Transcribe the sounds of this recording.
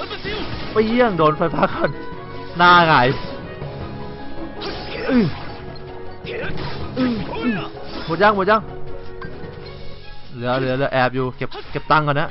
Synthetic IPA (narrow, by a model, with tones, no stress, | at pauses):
pa˧˩jji˥˩əŋdoː˨˧nfʰa˧jfaː˧˥kʰa˧˩n | naː˧ŋa˨˩˦j | ʔɯː˧˩ | ʔɯː˧˩ʔɯ˧˩uː˧˩˦ja˧˥˩ŋb̚ːja˧˥˩ŋ | lɯ˨˦ɐlɯ˨˩˦ɐlɯ˩˦ʔɛː˨˧˩p̚juː˨˩ke˨˩p̚ke˨˩p̚t̪a˧˨ŋkna˦˥˨